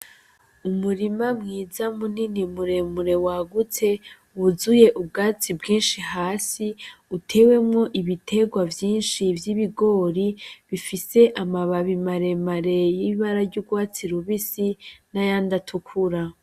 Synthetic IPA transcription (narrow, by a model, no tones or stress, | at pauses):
umuɾimamŋiːzamuninimuɾe̞muɾe̞waɡut͡se̞ | uzuje̞ʔubɡaːt͡sibɡiːnʃiɦaːsiutʰe̞ːwe̞mŋo̞ʔiβitʰe̞ɡwavjiːnʃivjiβiɡo̞ɾiβifise̞ʔamaβaβimaɾe̞maɾe̞jiiβaɾaɾɟuɡwaːt͡siɾuβisinajaːndatʰukʰuɾa